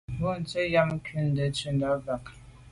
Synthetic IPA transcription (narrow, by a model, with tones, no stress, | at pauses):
bu˦˨n̩˨t͡sə˦ja˦m̩˦kʉ˦n̩˨də˨˦t͡ʃə˦n˦da˦va˨k